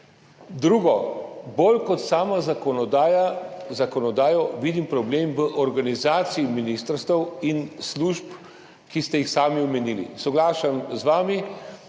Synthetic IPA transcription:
d̪ɾuːɡɔbolkɔt̪saːmazɔjazakɔnɔd̪aːjɔʋid̪impɾɔbleːmʋəʔɔɾɡanizaːt̪siiminist̪əɾst̪ʋəwinsluʃp | kist̪ɛjixsaːmiɔmɛnilḭsɔɡlaːʃamzʋaːmi

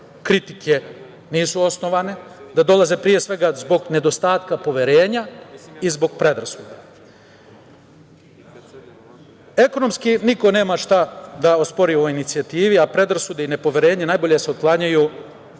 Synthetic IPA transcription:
kɾit̪ikʰe | niːsuo̞sno̞ʋane̞d̪ad̪o̞lˠaze̞pɾije̞sʋe̞ɡazbo̞ɡne̞d̪o̞st̪aːt̪kapo̞ʋe̞ɾe̞ːɲaizbo̞ɡ̚pɾe̞d̪ɾasuːd̪a | e̞ko̞no̞mskiniko̞ne̞ːmaʃt̪ad̪aospo̞ɾioinit̪sijat̪iːʋiapɾe̞d̪ɾasud̪eine̞po̞ʋe̞ɾe̞ːɲenajbo̞ʎe̞se̞oklˠaɲaju

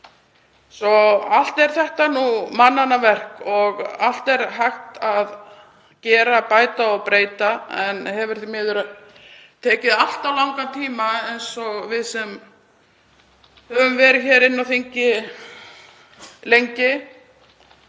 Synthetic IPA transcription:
sɔal̥t̪ɛɾ̥θɛht̪anumanːanavɛr̥kɔɣal̥t̪ɛɾ̥ɦajxt̪að | cɛːɾapaːjt̪aɔɣpɾeːjt̪aɛnhɛvɪɾ̥θmɛːðʏɾ | t̪ʰɛːcɪðal̥t̪awlawŋkat̪ʰiːmaejnsɔɣvɪðsɛm | hɛvʏmvɛːɾɪçɛːɾɪnːawθiɲcɪ | lejɲcɪ

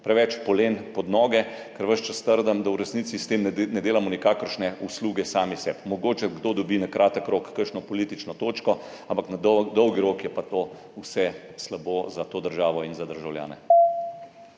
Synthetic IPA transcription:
pɾɛʋɛt͡ʃpɔleːnpɔd̪nɔːɡɛ | kəɾʋəʃt͡ʃast̪əɾd̪əmd̪awɾɛsnit̪sist̪emnɛd̪eːlamɔnikakəɾʃnɛusluːɡɛsaːmisɛ̰pmɔɡoːt͡ʃɛɡd̪od̪ɔbinakɾʔaːt̪əkɾokːəɾʃnɔpɔliːt̪it͡ʃnɔt̪oːt͡ʃkɔampaknad̪d̪ɔwɡiɾokjɛpat̪o | usɛslaboːzat̪oːd̪əɾʒaːʋɔinzad̪əɾʒawlja̰ːnɛ̰

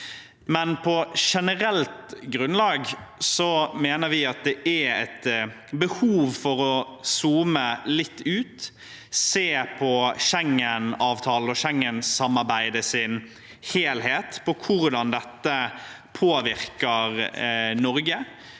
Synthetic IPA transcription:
mɛnpʰɔʂɛnəɾɛlt̪ɡɾʉnlɑːɡsɔmeːnəɾʋɪɑt̪̚d̪ɛʔæɛt̪ | bəhuːʋfɔɾɔsuːməlɪt̪ːʉːt̪ | seːpʰɔʃɛŋːənɑːʋt̪ʰɑːləɔʃɛŋːənsɑmːɑɾbæɪd̪əsɪn | heːlɦeːt̪pʰɔkʰʊɾd̪ɑnd̪ɛt̪ːə | pʰoːʋɪɾkəɾnɔɾɡə

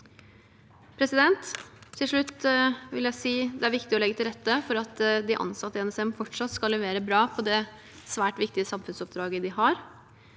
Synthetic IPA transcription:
pʰɾɛsɪd̪ɛnt̪ʰːɪlʂɭʉt̪ːʋɪljæɪsiːd̪ɛæɾʋɪkt̪ɪɔlɛɡət̪ɪlɾɛt̪ːəfɔɾɑt̪d̪ɪʔɑ̰nsɑt̪ːəɛnɛsɛmfɔʈʂɑt̪skɑlːɛʋeːɾəbɾɑːpʰɔd̪ɛ | sʋæːʈʋɪkt̪ɪəsɑmfʉnsɔp̚d̪ɾɑːɡəd̪ɪhɑɾ

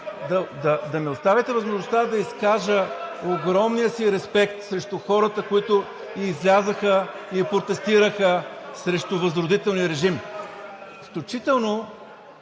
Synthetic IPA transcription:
d̪ɐd̪ɐd̪ɐmɛost̪avɛt̪ɛvɐzmoʒnost̪ad̪ɐiskaʒəoɡɾɔmnijəsiɾɛspɛk̚t̪sɾɛʃt̪uxɔɾət̪əkoit̪ʊː | zlʲazəxə | ipɾot̪ɛst̪iɾəxəsɾɛʃt̪ʊvəzɾʊd̪it̪ɛlˠnijəɾɛʒim | fklʲut͡ʃit̪ɛlˠno

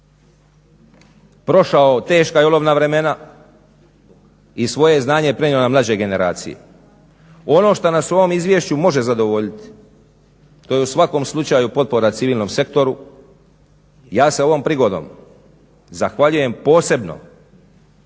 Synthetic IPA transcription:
pɾo̞ʃaot̪e̞ːʃkajoloʋnaʋɾe̞me̞na | isʋo̞jeznaːɲepɾeɲionamlˠad͡ʑe̞ɡe̞ne̞ɾa̰ːt̪sḭjḛ | o̞no̞ːʃt̪anaso̞ʋo̞mizʋje̞ʃt͡ɕumo̞ʒe̞zad̪o̞ʋo̞ʎit̪i̥ | t̪o̞je̞usʋako̞mslˠut͡ʃaːjupo̞t̪̚po̞ɾat̪iʋiːlˠno̞mse̞kt̪o̞ɾu | jaːseo̞ʋo̞mpɾiɡo̞d̪o̰m | zaxʋaʎuje̞mpo̞ːse̞bno̞̰

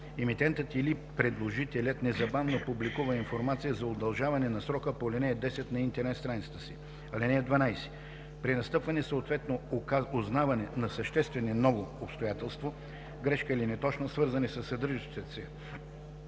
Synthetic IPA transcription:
ɛmit̪ɛnt̪ət̪ilipɾɛd̪lˠoʒit̪ɛlʲət̪nɛzɐbavnopublikuvɐinfoɾmat̪sijəzɐod̪ɐlˠʒavɐnɛnɐsɾɔkəpolʲɛnɛɛd̪ɛsɛt̪nɐint̪ɛɾnɛt̪st̪ɾanit̪sə̥t̪əsi | ɐlɛnɛɛd̪vɐnajsɛ̥ | pɾinɐst̪ɤpvɐnɛsəot̪vɛt̪nooznavɐnɛnɐsɐʃt̪ɛst̪vɛnɛnɔvoːpst̪ojat̪ɛlˠst̪vo | ɡɾɛʃkəilinɛt̪ɔt͡ʃnosvɤɾzɐnɛsəsːɐd̪ɤɾʒət͡ʃ̪t̪ɛt̪sɛ

